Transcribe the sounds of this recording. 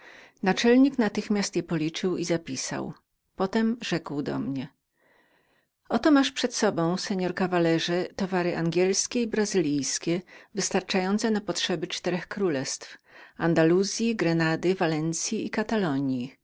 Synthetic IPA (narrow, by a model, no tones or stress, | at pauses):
nat͡ʂɛlɲiknat̪ɘxmʲjast̪jɛpɔlʲit͡ʂɘwizapʲisa̰w | pɔt̪ɛmʐɛkwd̪ɔ̰mɲɛ | ɔt̪ɔmaʂpʂɛt̪sɔbɔ̃w̃sɛɲɔɾkavalɛʐɛt̪ɔvaɾɘʔaŋɡʲɛlskʲeibɾazɘlʲijskʲɛvɘst̪aɾt͡ʂajɔnt̪sɛnapɔtʂɛbɘt͡ʂt̪ɛɾɛxkɾulɛst̪fand̪aluzʲjiɡɾɛnad̪ɘvalɛnt̪sʲjiikat̪alɔɲji